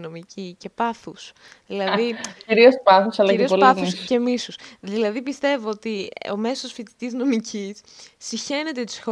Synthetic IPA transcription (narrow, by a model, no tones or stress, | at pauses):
no̞micice̞pɐθus | ðilɐðiciɾiospɐθusɐlɐɾioolpɐθusce̞misusðilɐðipist̪e̞voot̪io̰me̞sosfit̪i̥t̪izno̞micisːiçe̞ne̞t̪et̪i̥sxo